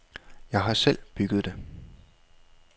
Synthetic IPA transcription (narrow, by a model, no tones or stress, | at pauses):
jɑ̈ɪɦɑ̈sel̰b̥yɡ̥ð̞̩ˠd̥e̝